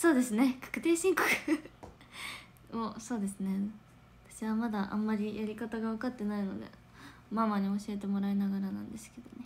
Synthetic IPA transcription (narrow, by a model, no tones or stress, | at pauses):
so̞ːd̪e̞sɨne̞kʰḁkɯ̟̥t̪e̞ːɕĩŋko̥kɯ̥ | oso̞ːd̪e̞sɨne̞ | at̪ḁɕiβamad̪aʔã̰mːaɾʲijaɾʲikat̪aɡaβakat̪ːe̞naino̞d̪e̞̰ | mamaɲ̟io̞ɕiet̪e̞mo̞ɾainaɡaɾanã̰nd̪e̞sɨ̥ke̞d̪o̞ne̞